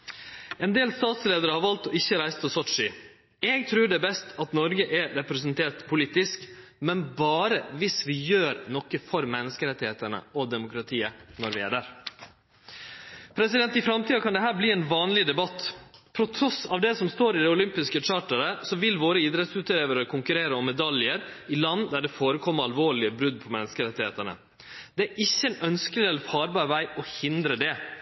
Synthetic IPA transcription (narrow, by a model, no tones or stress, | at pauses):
ɛnd̪eːlst̪ɑːt̪sleːd̪əɾəhɑɾʋɑlt̪ɔɪçːəɾæɪst̪ʰɪlsɔtʂɪ | ɛːɡt̪ʰɾʉːɖɛbɛst̪ʰɑt̪nɔɾɡəʔɛɾɛpɾɛs̬ənt̪ʰeːʈ̪pʰʊliːt̪ɪskmɛnbɑːɾəʋɪsʋɪjøːɾnɔkːəfɔɾmɛnːəskəɾɛt̪ːɪheːt̪ənə̰ʔɔd̪ɛmʊkʰɾɑt̪ʰiːənɔɾʋɪæ̰ɖæːɾ | pʰɾɛsɪd̪ɛnt̪ɪfɾɑmt̪ʰiːɑkʰɑnd̪ɛɦæːɾbliːɛnʋɑːnlɪd̪ɛbɑt̪ːpʰɾɔt̪ʰɾɔsɑʋd̪ɛsɔmst̪oːɾɪd̪ɛʊlʏmpɪskət͡ʃɑːʈəɾəsɔʋɪlʋoːɾəid̪ɾɛt̪sʉːt̪leːʋəɾəkʰʊŋkʉɾeːɾəɔmːɛd̪ɑljəɾɪlɑnːd̪æɖɛfoːɾəkʰɔmːəɾɑlʋoːɭɪəbɾʉd̪̚pʰɔmɛnːəskəɾɛt̪ːɪheːt̪əɳə̰ | d̪̥ɛæːʔɪçːəɛnœnskəlɪɛlfɑːɾbɑːɾʋæɪʔɔhɪnd̪ɾəd̪ɛ